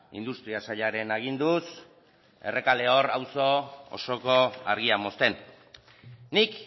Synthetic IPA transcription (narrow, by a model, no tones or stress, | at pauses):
ḭnd̪ust̪ɾiasaʎaɾe̞naɣ̞ind̪us | e̞re̞kale̞o̞rawso̞o̰so̞ko̞aɾɣiamo̞st̪e̞n | ik